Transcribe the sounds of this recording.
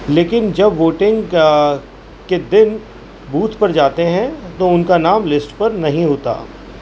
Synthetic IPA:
leːkɪnd͡ʒɐbʋoːʈɪ̃ŋɡ | ked̪ɪn | buːt̪pɐɾd͡ʒaːt̪eɦɛ̃t̪oʊnkanaːmlɪsʈpɐɾnɐɦĩɦoːt̪a̰ː

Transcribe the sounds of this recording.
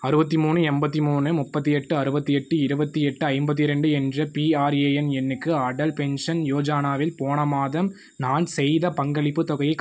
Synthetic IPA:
ɐɾɯbɐt̪̬ːɯmuːnɯɛmbɐt̪̬ːɯmuːnɯmʊpːɐt̪̬ːɯjɛʈːɯɐɾɯbɐt̪ːɯɛʈːɯɪɾɯbɐt̪ːɯɛʈːɯɐɪmbɐt̪̬ːɪɾɛɳɖɯɛndrɐpiaːɾeːɛnɛnːɯkːɯɐɽɐlpɛnʂɐnjoːd͡ʒaːnaːʋɪlpoːɳɐmaːðɐm | naːnsɛjðɐpɐŋɡɐɭɪpːɯt̪ɔɣɐjɐɪkː

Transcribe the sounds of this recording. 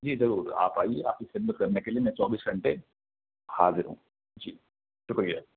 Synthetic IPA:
d͡ʒiːzɐɾuːɾa̰ːpaːiea̰ːp̚kisɪlmət̪kɐɾnekeliemɛ̃ːt͡ʃɔːbiːsɡʱɐ̃ɳʈe | haːzɪɾɦṵ̃ː | d͡ʒiː | ʃʊkɾijaː

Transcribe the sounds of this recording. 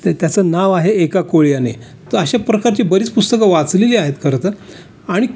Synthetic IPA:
t̪t̪jat͡səːnaʋaɦeekakoɭjanḛ | t̪əəɕapɾəkaɾt͡ɕiːbəɾit͡spust̪əkaʋat͡sleliaɦet̪kəɾt̪ə | aɽ̃i

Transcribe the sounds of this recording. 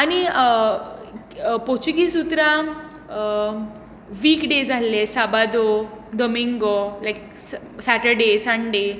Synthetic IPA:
ani | pot͡ɕuɡisut̪ɾã | ʋiːkɖed͡zʱalːesabad̪od̪omiŋɡolajk̚ | saʈəɾɖesanɖe

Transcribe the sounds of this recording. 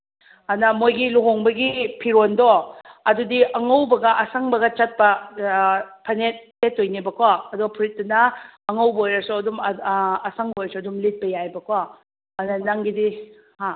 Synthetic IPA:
anɐmojɡiluɦoŋbɐɡipʰiɾondɔɐdudiaŋawbɐɡɐʔasaŋbɐɡɐt͡ʃat̚pɐ | pʰɐnet̚ːetːojnibɐkʰwaɐduɡɐpʰuɾit̚dunɐːŋawbɐojɾɐsɔɐdumː | saŋbojɐsɔɐdumlit̚pɐjajbɐkʰwaː | nanaŋɡidi | ha

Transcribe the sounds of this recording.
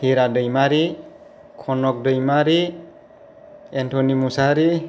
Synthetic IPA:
hiɾadɯjmaɾi | kʰɔnɔk̚dɯjmaɾi | entʰɔnimusaɾi

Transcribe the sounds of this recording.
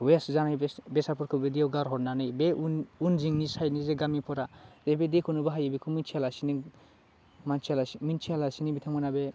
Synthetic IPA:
weszanajbbesapʰɔɾkʰɯbediawɡaɾɦɔɾnanɯjbeunziŋnisajnizeɡamipʰɔɾadebedekʰunubaɦajebekʰumint͡ʃʰialasini | mant͡ʃʰalamint͡ʃʰialasinibitʰaŋmanabe

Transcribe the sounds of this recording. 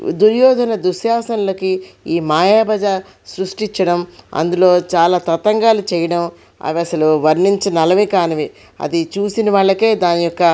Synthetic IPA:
d̪uɾjɔːd̪ɐnɐd̪uʃjaːsɐnlokiiːmaːjaːbɐd͡ʒa | sɾuʂʈiɲt͡ʃːɐɽɐmɐ̰nd̪ulo̞ːt͡ʃaːlaːt̪ɐt̪ɐŋɡaːlut͡ʃɛːjɐɽɐm | ɐ̰ʋiɐsɐluʋɐɾɳiɲt͡ʃinɐlɐʋikaːnɐʋi | ɐ̰d̪it͡ʃuːsinɐʋaːɭːɐke̞ːd̪aːnijɔkːɐ

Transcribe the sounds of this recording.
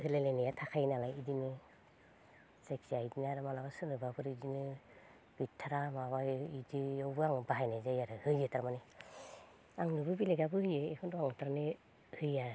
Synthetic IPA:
hɯlelenijatʰakʰajnalajidinɯ | seksiajdinaɾɯmanabasɯnɯbabʰɯɾidinɯ | b̥itʰːaɾamaβajidiɔwbɯaŋbaɦajnazajaɾɯhɯjɯtaɾmane | aŋlɯbɯbileɡabɯhɯjɯekʰɯndɔaŋɯtaɾane | hɯja

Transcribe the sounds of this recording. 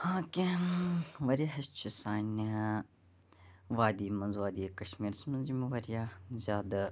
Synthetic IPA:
hãːkʲi | ʋɐɾijaɦɐst͡ʃʰisaːnʲɐ | ʋaːd̪iːmɐnzʋaːd̪ijekɐʃmiːɾsmɐ̃nzimeʋɐɾijazʲaːd̪a

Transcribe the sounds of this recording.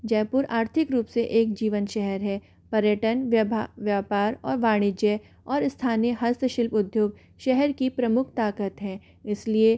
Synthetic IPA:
d͡ʒɛːpʊɾaːɾt̪ʰɪkɾuːpseʔeːk̚d͡ʒiːʋənʃɛɦɛɾɦɛː | pɐɾjəʈənʋjaːpaːɾɔːɾʋaːɽ̃ɪd͡ʒɛː | ɔːɾɪst̪ʰaːnijəɦɐst̪ʰəʃɪlpʊd̪ʱjoːɡ̚ | ʃɛɦɛɾkipɾɐmʊkʰt̪aːkət̪ɦɛ̃ː | ɪslie

